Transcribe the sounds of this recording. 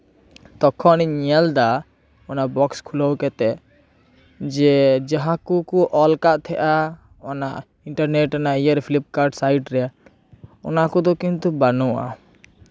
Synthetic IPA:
t̪ɔkʰɔniɲɛld̪a | ɔnaʔbɔkskʰuləwkɛt̪ɛ | d͡ʒɛd͡ʒaɦãkukuʔɔlkaʔt̪ʰɛʔa | ɔnaʔ | iɳʈaɾneʈːanaijəɾpʰilip̚kaɾɖsajʈɾɛja | ɔ̰nakɔd̪ɔkint̪ubanɔa̰

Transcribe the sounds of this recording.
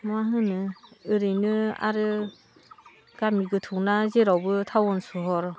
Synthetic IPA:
maɦɯnɯɯɾɯjnɯa̰ɾɯ | ɡ̥amiɡɯtʰuŋnazeɾawbɯtʰawɔnsɔɦɔɾ

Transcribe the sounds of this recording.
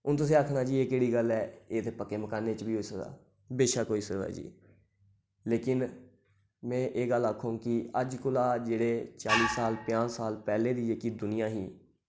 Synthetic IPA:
ʊnt̪ʊs̬ĩːakʰnaːd͡ʒiːeːkeːɽiːɡəlɛːeːt̪eːpəkːeːməkaːneːt͡ʃbiːɦoːiːsəkd̪a̰ː | beːʃaːkoːiːsəkd̪a̰ːd͡ʒḭː | leːkɪn | mɛ̃ːʔeːɡəlːəkʰːõːkɪəd͡ʒkʊlaːd͡ʒeːɽeːt͡ʃaːliːsaːlpɪjãːsaːlpɛːleːd̪iːeːkiːd̪ʊnɪjãːɦiː

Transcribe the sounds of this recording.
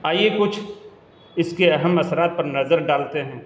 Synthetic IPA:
aːiekʊt͡ʃʰ | ɪskeɐɦəmɐsɾaːt̪̚pɐɾnɐzəɾɖaːlt̪eɦɛ̃ː

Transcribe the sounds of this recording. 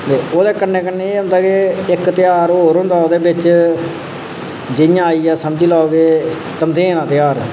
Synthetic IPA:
t̪eːoːd̪eːkənːeːkənːeːeːɦʊ̃nd̪aːkeɪkt̪ɪjaːɾɦoːɾɦõːnd̪aːoːd̪eːbɪt͡ʃ | d͡ʒɪjãːaːiːaːsəmd͡ʒiːlaːoɡeː | t̪əmd̪eːnãːt̪ɪjaːɾ

